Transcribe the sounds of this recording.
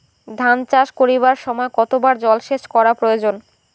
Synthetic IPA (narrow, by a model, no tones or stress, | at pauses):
d̪ʱant͡ɕaʃkoɾiβaɾʃɔmɔekɔt̪obaɾd͡ʑɔlʃeʃkɔɾapɾojod͡ʑon